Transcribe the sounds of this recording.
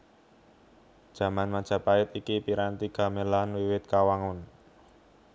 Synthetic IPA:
d̥ʒ̥a̤manmḁʒ̥a̤paɪt̪ikipiɾant̪iɡ̥a̤melanwiwɪt̪̚kawaŋʊn

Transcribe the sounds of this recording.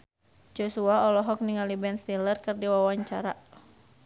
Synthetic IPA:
d͡ʒosuaɔlɔɦɔk̚niŋalibɛnst̪ilərkɨrdiwawaɲt͡ʃaɾa

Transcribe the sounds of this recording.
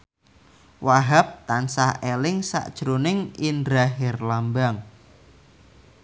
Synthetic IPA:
waɦap̚t̪ansahelɪŋsa̰ʔd̥ʒ̥ɾonɪŋindɾaɦɛrlambaŋ

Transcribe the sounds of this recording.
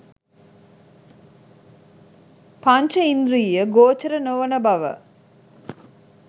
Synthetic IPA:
pant͡ʃəind̪ɾiːjəɡoːt͡ʃɐɾənoʋənəbɐʋə̰

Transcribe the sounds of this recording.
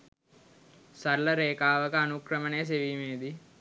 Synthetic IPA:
sɐɾlɐɾeːkaːʋɐkɐɐnukɾɐmɐneːs̬eʋimeːd̪i

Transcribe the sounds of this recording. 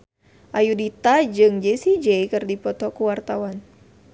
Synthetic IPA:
ʔajudit̪ad͡ʒɨŋd͡ʒɛsid͡ʒeikɨrdipɔt̪ɔkuwart̪awan

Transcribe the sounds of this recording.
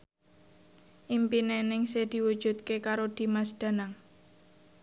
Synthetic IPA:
ʔimpinenɪŋsed̪̥i̤wu̥ʒ̥ṳt̪̚kekaɾod̪̥i̤masd̪̥a̤naŋ

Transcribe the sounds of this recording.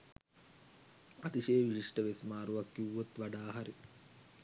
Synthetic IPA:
at̪iʃeːʋiɕiʂʈəʋesmaːɾuʋakːuwːot̪ʋaɖaːɦaɾi

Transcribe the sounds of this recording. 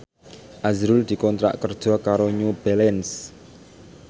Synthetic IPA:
ʔazɾuld̪̥i̤kɔnt̪ɾa̰ʔkərd̥ʒ̥ɔ̤kaɾoɲub̥ɛlɛns

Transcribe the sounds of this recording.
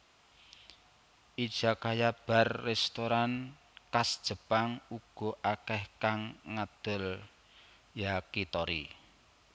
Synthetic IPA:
ʔid̥ʒ̥a̤kajab̥a̤rːɛst̪oɾan | kasd̥ʒ̥ə̤paŋuɡ̥ɔ̤ʔakɛhkaŋːad̪̥ʊ̤l | jakit̪ɔɾi

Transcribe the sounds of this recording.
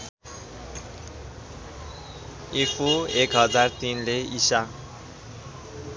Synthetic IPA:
epʰuekɦʌd͡zart̪inleisa

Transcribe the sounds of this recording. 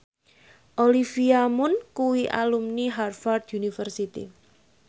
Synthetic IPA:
ʔolifiamʊnkuwiʔa̰lumniɦarfard̪junifərsit̪ḭ

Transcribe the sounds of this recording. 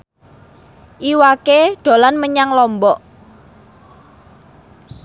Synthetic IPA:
ʔiwakeɖ̥o̤lanməɲaŋlɔmbɔʔ

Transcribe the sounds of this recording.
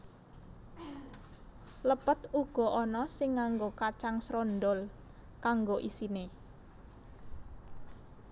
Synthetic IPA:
ləpət̪uɡ̥ɔ̤ʔɔnɔsɪŋːaŋɡokat͡ʃaŋsɾɔnd̪ɔl | kaŋɡoʔisine

